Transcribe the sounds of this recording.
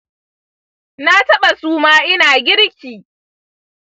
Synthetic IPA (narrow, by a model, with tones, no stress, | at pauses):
na˦tɐ˦ɓa˨suː˦maː˦ʔɪ˦naː˨ɡʲɪ˦ɽkʲiː˨